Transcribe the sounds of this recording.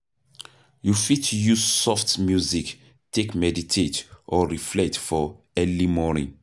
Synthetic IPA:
jufitʰujuzsɔftmjuzik | tʰekmɛditʰetʔɔɹiflɛtfɔ | ɛlimɔnḭ̃ŋ

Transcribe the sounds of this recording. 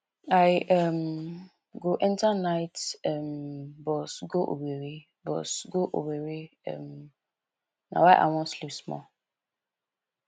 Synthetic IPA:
aɪɛm | ɡoʔɛ̃ntanaɪtɛmbɔsɡoʔo̰weɾe | bɔ̰sɡoʔo̰weɾeɛ̰m | na̰waɪʔa̰wɔ̃nslipsmɔ̰

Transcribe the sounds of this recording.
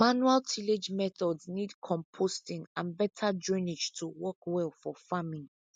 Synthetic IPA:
manualtʰiled͡ʒmɛθɔdznidkʰɔ̃mpʰostĩŋãnbɛtʰad͡ʒɔ̃ned͡ʒtʰuwɔkwɛlfɔfamĩŋ

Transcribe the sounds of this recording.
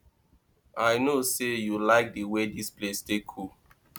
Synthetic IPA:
aɪnosejulaɪk̚diwedisplestekʰu

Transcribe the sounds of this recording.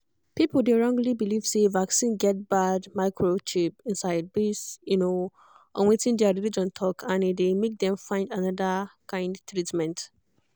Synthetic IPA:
pipl̩deɹɔ̃ŋɡlibiliv̥sevaksĩnɡɛt̚badmaɪkʰɹot͡ʃipĩnsaɪd̚besjuno | ʔɔ̰̃nwetĩndɛaɹilid͡ʒɔ̃ntʰɔkʰãnedemek̚dɛ̃mfãɪ̃ndanʌdakʰãɪ̃ndtɹitmɛ̃nt

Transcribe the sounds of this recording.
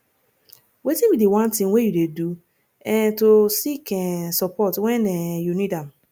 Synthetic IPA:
wetĩwidewãntĩŋwejudedu | ɛ̃tosikɛsɔpɔtwɛ̃nɛjunidãm

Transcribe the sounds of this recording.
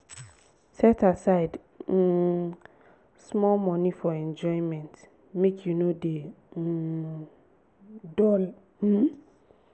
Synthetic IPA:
sɛtʰasaɪd̩ | smɔlmɔ̃nĩfɔɛ̃nd͡ʒɔɪ̃mɛ̃nt | mekʰjunode | dɔl | m̩

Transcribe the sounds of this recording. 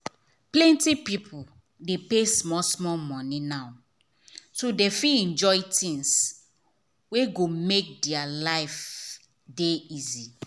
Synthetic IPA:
plɛ̃ntipipʰul | depesmɔsmɔlmɔ̃ninaʊ | todefiɛ̃nd͡ʒɔjtĩŋs | weɡomek̚dɛalaɪf | deizi

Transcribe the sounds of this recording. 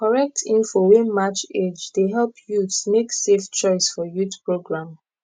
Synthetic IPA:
kɔɹɛk̚tʰĩnfowẽnmat͡ʃed͡ʒdeɦɛlˠpʰjutsmekseft͡ʃɔɪsfɔjutpɹoɡɹãm

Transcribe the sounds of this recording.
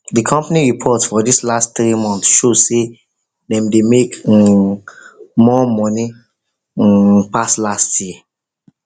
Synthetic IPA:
dikʰɔ̃mpaniɹipʰɔtsfɔdislastt̪ɹimɔ̃nθʃose | dɛ̃mdemek̩ | mɔmɔ̃ni | paslastʰjɛ

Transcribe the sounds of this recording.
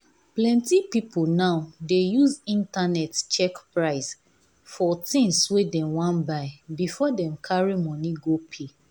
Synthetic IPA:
plɛ̃ntipipʰonaʊdejuzĩntanɛtt͡ʃɛkpɹaɪs | fɔtĩŋswedɛ̃mwãnbaɪbifɔdɛ̃mkʰaɹimɔ̃niɡopʰe

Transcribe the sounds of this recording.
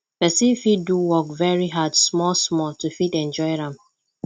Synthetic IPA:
pɛsĩfitːuwɔkvɛɹiɦadsmɔlsmɔltufitɛ̃nd͡ʒɔɪɾãm

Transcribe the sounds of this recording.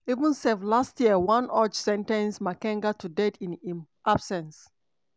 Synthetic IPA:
ivə̃nsɛvlastjiəwãnɔt͡ʃsɛ̃ntɛ̃nsmakɛ̃ŋɡatʰudɛtʰĩn | ʔab̥sɛ̃ns

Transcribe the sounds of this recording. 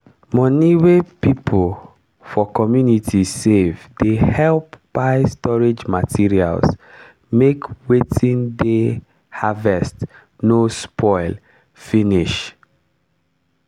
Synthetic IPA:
mɔ̃niwepipʰol | fɔkɔmjunitʰisevdehɛlpb̥aɪstɔɹed͡ʒmatʰiɹia̰ls | mekwetʰĩnde | havɛst | nospʰɔɪl | finiʃ

